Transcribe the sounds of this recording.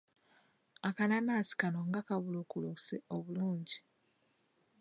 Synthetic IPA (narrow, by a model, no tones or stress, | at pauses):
akananaːsi̥kanoŋɡakaβuloːkuluseoβuluːɲɟi